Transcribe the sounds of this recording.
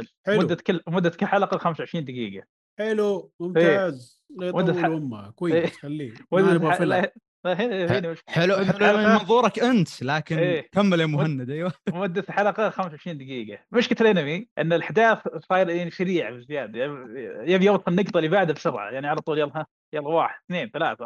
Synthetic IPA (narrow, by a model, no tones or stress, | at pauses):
ħɪmʊd̪ːakɪlmʊd̪ːakɪlːħalɑqɑxamsʕɪʃɾiːnd̪ɪɡḭːɡa | ħɪlumʊmeːaːz | ɣeːmʊd̪ːaʊmːakwajeːalːiːmʊd̪ːaala | laɦeheːnimɪʃħɪlʊd̪amɑnðˤuːɾˤɑkʔɪnt̪laːkɪeːkamːalemʊhanːad̪ʔajwawad̪ːaθħalɑqɑxamsʕɪʃɾiːnd̪ɪɡiːɡamɪʃkɪt̪lʔɪnamiʔɪnːɪlʔaħd̪aːθsˤɑːjɾjaʕniʃaɾiːʕabɪzɪjaːd̪ajajabjoːt̪ˤfɪnːɪɡt̪ˤɑlːibaʕd̪abʃʊɾˤʕa̰jaʕniʕalat̪ˤuːljɑlːha | jɑlwaːħɪd̪̥θneːnθala̰ːθa